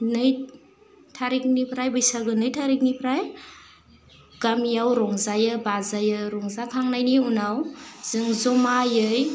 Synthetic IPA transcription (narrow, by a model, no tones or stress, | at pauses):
nɯj | tʰaɾik̚nipʰɾajbɯjsaɡɯnɯjtʰaɾik̚nipʰɾaj | ɡ̥amijawɾɔŋzajɯbazajɯɾɔŋzakʰaŋnajniunawz̥ɯŋzɔmajɯj